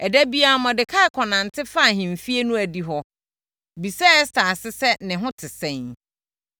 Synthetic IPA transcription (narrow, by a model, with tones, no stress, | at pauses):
ɛ˨dæ˦bi˦a˨˦mã˨dɪ˨kʰa˦˨kʰɔ˨nã˨n˨tʰɪ˦fa˦˨ɦɪ̃˨m̩˨fi˦e˦nũ˦æ˨di˦ɦɔ˦ | bi˨sa˦stʰa˨sɪ˦sɛ˦nɪ̃˨ɦʊ̃˦tʰɪ˨sɛ̃˦˨n